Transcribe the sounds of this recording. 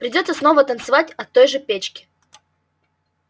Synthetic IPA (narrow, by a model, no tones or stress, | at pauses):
pɾʲɪdʲot̪səsnovət̪ənt̪sɨvatʲɐt̪ːojʐɨpʲet͡ɕkʲɪ̥